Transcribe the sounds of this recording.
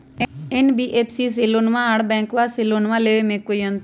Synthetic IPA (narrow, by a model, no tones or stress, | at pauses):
enbiːʔeːpʰsiːs̬ilonʋãɦɽbɛ̃ːŋkʋaːsiloːnʋãleːʋemẽːkoiənt̪